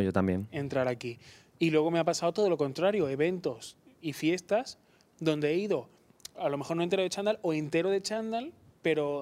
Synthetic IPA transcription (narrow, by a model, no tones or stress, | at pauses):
jot̪ambje̞ne̞nt̪ɾaɾaki | ilwe̞ɣo̞me̞apasaot̪o̞ð̞o̞lo̞ko̞nt̪ɾaɾjo̞e̞βe̞nt̪o̞s | ifje̞st̪as | ðõ̞nd̪e̞eiðo̞ | alo̞mexoɾnont̪eoðet͡ʃand̪alo̞e̞nt̪e̞ɾoð̞e̞t͡ʃand̪al | pe̞ɾo̞